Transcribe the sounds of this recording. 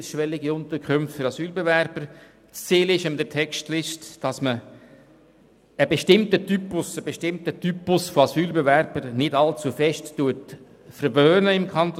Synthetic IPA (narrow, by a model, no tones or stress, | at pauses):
ʃʋɛlɪɡiʊnt̪əɾkʰχʏmftfʏɾɑsyːlbevɛɾb̥əɾ | t͡st͡siːlɪʃəmɪd̪ətʰɛkʃtlɪʃtd̥ɑsmə | beʃtɪmtətypʊsəbeʃtɪmtətypʊsfoɑsyːlbevɛɾb̥əɾnɪdɑlt͡sufɛʃtːuət | fəɾʋøːnəɪmkʰɑnt̪